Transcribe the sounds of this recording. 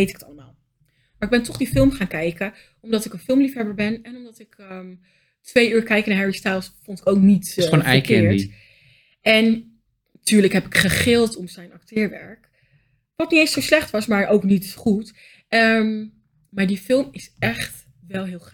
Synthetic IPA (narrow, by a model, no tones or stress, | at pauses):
ejtɪkə̥tɑ̰ləma̰ːlˠ | maɹɪɡ̚bɛntɔχdifɪlˠmχaːnkɛjkə | ɔmdɑtɪkənfɪlˠmlifɦɛbəɹbɛnɛnɔmdɑtɪk | tʋejyːɹkɛjknaːɹɦɛɹistalˠsfɔntɪ̥kowknitːnfɛ̰əjkɪːɹt | ɛn | tyːɹləkɦɛpɪkχəχɪlˠtɔmzɛjnɑktʰɪːɹʋɛ̰ɹk | ʋɑtnitejnsowslɛχtʋɑsmaːɹʔowknitχut | əm | maːɹdifɪlˠmɪsɛχt | ʋɛlˠɦɪːlˠχ